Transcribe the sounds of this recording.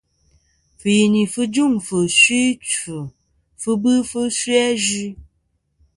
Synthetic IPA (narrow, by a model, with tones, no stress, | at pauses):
fɨ˨ji˨ni˨fɨ˦d͡ʒu˦˨ŋfə˨sɥi˦t͡ʃu˨ | fɨ˧bɨ˦fɨ˦si˦ɛ˦ʒi˦